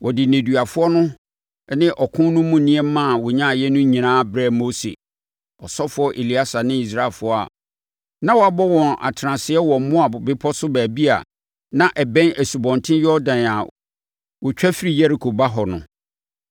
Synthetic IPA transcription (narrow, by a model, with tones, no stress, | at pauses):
wɔ˨dɪ˨nẽ˨dɥa˨fʊ˦ɔ˦nʊ̃˦ | nɪ̃˦ʔɔ˨kʰʊ̃˦nʊ̃˦mũ˦nĩ˦ɛ˦mã˦˨wɔ˨ɲã˦˨jɛ˦nʊ̃˦ɲĩ˨nãː˦bɾɛ˦mo˦sḛ˨ | ɔ˨sɔ˦fʊ˨˦ɔ˦ʔe˨li˦a˦sa˨nɪ̃˦i˨s̬ɾa˦˨fʊ˦ɔ˦a̰˨ | nã˦wɔ˨a˨bɔ˦wɔ̃˨na̰˨tʰɾã˨sɪ˨ɛ˦wɔ˨mʊ̃˦a˨bɪ˦pʰɔ˦sʊ˦bæː˨bi˦a̰˨ | nã˦ʔɛ˨bɛ̃˦nʔæ˨su˨bɔ̃˨ntʰɪ̃˦jɔ˦dã˨na˨ | wɔ˨t͡ɕᶣæ˦fi˦ɾi˨jɛ˦ɾi˨kʰo˨ba˦ɦɔ˨nʊ̰̃˨